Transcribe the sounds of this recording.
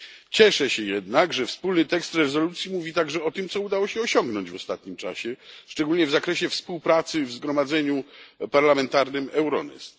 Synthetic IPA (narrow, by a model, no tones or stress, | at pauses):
t͡ɕɛʂɛɕɛjɛd̪naɡʐɛfspulnɘt̪ɛkst̪ɾɛzɔlut̪sʲjimuvʲit̪aɡʐɛɔt̪ɘmt̪sɔud̪awɔɕɛɔɕɔŋɡnɔɲd͡ʑvɔst̪at̪ɲimt͡ʂa̰ɕɛʂt͡ʂɛɡulɲɛvzakɾɛɕɛfspuwpɾat̪sɘvzɡɾɔmad̪zɛɲupaɾlamɛnt̪aɾnɘmɛwɾɔ̰nɛ̰st̪